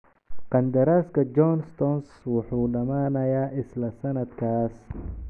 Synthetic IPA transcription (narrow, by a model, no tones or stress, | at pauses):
qɑnd̪ɐɾaːskʰɐd͡ʒɔnst̪ɔnswʊħuːɖɐmaːnɐjaːʔɪslɐsɐnɐd̪kʰaːs